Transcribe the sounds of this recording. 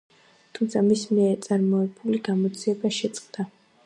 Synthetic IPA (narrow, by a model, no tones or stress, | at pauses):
t̪ʰumt̪sʰamismiɛɾt̪sʼaɾmɔɛbuliɡamɔd̪zʰiɛbaʃɛt̪sʼqʼd̪̥a